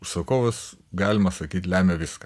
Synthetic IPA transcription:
sɐkoːʋɐsɡɑːlʲɪmɐsɐkʲiːt̪ʲlʲæːmʲɛʋʲɪskɐ

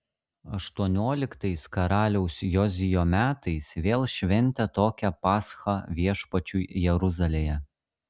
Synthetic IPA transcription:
ɐ̰ʃt̪uɔnʲoːlʲɪkt̪ɐɪskɐɾɑːlʲɛʊsʲjɔzʲɪjoːmʲæːt̪ɐɪsʋʲeːlˠʃʲʋʲɛnʲt̪ʲɛt̪oːkʲɛpɑːsxɑʋʲiɛʃpɐt͡ʃʲuːjɛɾʊzɐlʲeːjɛ

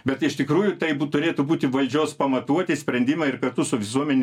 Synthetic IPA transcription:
bʲɛt̪ɪʃt̪ʲɪkɾuːjʊt̪ɐɪbt̪ʊɾʲeːt̪ʊbuːt̪ʲɪʋɐlʲd͡ʒʲoːspɐmɐt̪uɔt̪ʲɪsʲpʲɾʲɛnʲd̪ʲɪmɐɪrkɐrt̪ʊsʊʋʲɪsuɔmʲɛnʲ

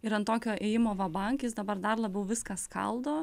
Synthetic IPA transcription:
ɪɾɐnt̪oːkʲoːʔeːjɪmoːʋɐbɐŋʲkʲɪsd̪ɐbɐrd̪ɐrlˠɐbʲɛʊʋʲɪskɐskɐ̰lˠd̪oː

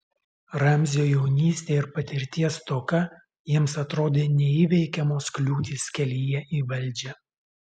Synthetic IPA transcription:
ɾɑmʲzʲjoːjɛʊnʲiːsʲt̪ʲeːɪɾpɐt̪ʲɪɾʲt̪ʲiɛst̪oːkɐ | jiɛmsɐt̪ɾoːd̪ʲeːnʲɛiːʋʲɛɪkʲɛmoːsklʲuːt̪ʲiːsʲkʲɛlʲijɛiːʋɐlʲˑd͡ʒʲɛ

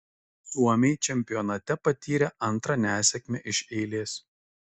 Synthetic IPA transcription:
suɔmʲɛɪt͡ʃʲɛmʲpʲɪjɔnɐt̪ʲɛpɐt̪ʲiːɾʲɛʔɐnˑt̪ɾɐnʲæːsʲɛkʲmʲɛʔɪʃɛɪlʲeːs

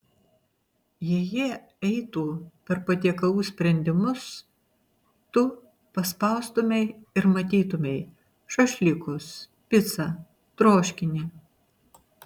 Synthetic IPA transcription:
jɛjiɛ | ɛɪt̪uːpʲɛɾpɐt̪ʲiɛkɐlˠuːsʲpʲɾʲɛnʲd̪ʲɪmʊs | t̪ʊ | pɐspɐʊst̪ʊmʲɛɪɪɾmɐt̪ʲiːt̪ʊmʲɛɪ | ʃɐʃʲlʲɪkʊs | pʲɪt̪sɐ | t̪ɾoːʃʲkʲɪnʲiː

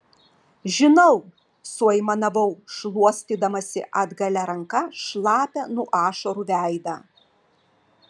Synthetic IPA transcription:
ʒʲɪnɐʊ | suɐɪmɐnɐʋɐʊʃlˠuɔsʲt̪ʲiːd̪ɐmɐsʲɪ̰ʔɐd̪ɡɐlʲɛɾɐŋkɐʃlˠɑːpʲɛnuɔʔɑːʃɐɾuːʋʲæˑɪd̪ɑː

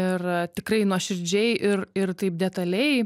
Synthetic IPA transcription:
ɪrt̪ʲɪkrɐɪnuɔʃʲɪɾʲd͡ʒʲɛɪʔɪrɪrt̪ɐɪp̚d̪ʲɛt̪ɐlʲɛɪ

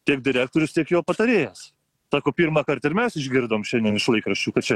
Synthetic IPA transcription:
t̪ʲiɛkd̪ʲɪɾʲæːk̚t̪oːɾʲʊst̪ʲiɛkjoːpɐt̪ɐɾʲeːjɛs | sɑːkoːpʲiːɾmɑːkɐɾt̪ɐɪɾmʲɛsɪʒʲɡʲɪɾd̪ɐoːmʃʲɛnd̪ʲiɛnɪʃlˠɐɪkɾɐʃʲt͡ʃʲuːkɐtt͡ʃʲɛ

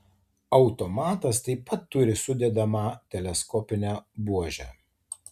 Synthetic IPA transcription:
ɒʊt̪ɔmɑːt̪ɐst̪ɐɪpɐt̪ːʊɾʲɪsʊd̪ʲɛd̪ɐmɑːt̪ʲɛlʲɛskɔːpʲɪnʲæbuɔʒʲæ̰

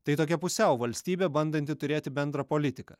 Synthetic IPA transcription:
t̪ɐɪt̪oːkʲɛpʊsʲɛʊʋɐlʲsʲt̪ʲiːbʲeːbɐnd̪ɐnʲt̪ʲɪt̪ʊɾʲeːt̪ʲɪbʲɛnd̪ɾɐpoːlʲɪt̪ʲɪkɐ̰

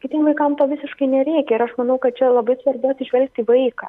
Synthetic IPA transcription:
kʲɪt̪ʲiɛmʋɐɪkɐmt̪oːʋʲɪsʲɪʃkɐɪnʲɛɾʲɛɪkʲɛɪɾɐʃmɐnɐʊkɐt̪̚t͡ʃʲɛlˠɐbɐɪsʋɐrbʊɐt̪ʲsʲɪʒʲʋʲɛlʲk̚t̪ʲiːʋɐɪkɑ̰ː

